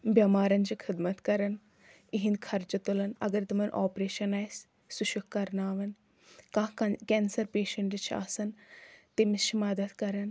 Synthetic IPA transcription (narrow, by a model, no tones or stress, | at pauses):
bʲjɐmaːɾɐnt͡ʃʰikʰid̪mɐt̪kɐɾɐn | iɦind̪kʰɐɾd͡ʒɐt̪ulɐnɐ̰ɡɐɾt̪umɐnʔoːpɾeːʃɐnaːjs | suʃukːɐɾnaːʋɐn | kãːkɛnsɐɾpeːʃɐɳʈit͡ʃʰa̰ːsɐnt̪emist͡ʃʰimɐd̪ɐt̪kɐɾɐn